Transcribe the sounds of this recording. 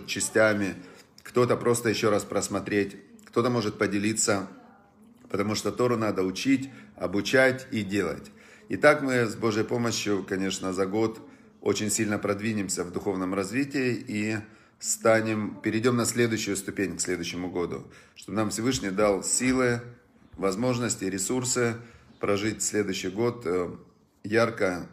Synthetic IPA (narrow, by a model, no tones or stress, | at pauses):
t͡ɕːɪsʲtʲamʲɪkt̪o̞t̪əpɾʔo̞st̪əjɪɕːo̞ɾaspɾəsmɐt̪ɾʲetʲkt̪o̞t̪əmo̞ʐɨt̪̚pədʲɪlʲit̪sːə | pət̪ɐmuʂt̪ot̪o̞ɾʊnad̪əʊt͡ɕitʲɐbʊt͡ɕætʲidʲe̞lˠə̰tʲ | ɪt̪akmɨzbo̞ʐjəjpo̞məɕjʊkɐnʲe̞ʂnəzɐɡo̞t̪ | o̞̰t͡ɕɪnʲsʲilʲnəpɾɐd̪vʲinʲɪmsʲəvd̪ʊxo̞vnəmrɐzvʲitʲɪɪi | st̪anʲɪmpʲɪɾʲɪdʲo̞mnɐsʲlʲe̞d̪ʊjɕːʊjʊst̪ʊpʲenʲksʲlʲe̞d̪ʊjɕːɪmʊɡo̞d̪ʊ̰ʂt̪o̞bənamfsʲɪvɨʂnʲɪjd̪alˠsʲilˠɨ | vɐzmo̞ʐnəsʲtʲɪɾʲɪsursɨpɾɐʐɨtʲfʲsʲlʲe̞d̪ʊjɕːɪjɡo̞t̪ | jarkə